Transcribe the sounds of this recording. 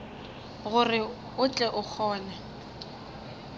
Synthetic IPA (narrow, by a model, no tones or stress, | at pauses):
ɣʊrɪ | ʊt͡ɬʼɛʔʊk͡xʰɔːna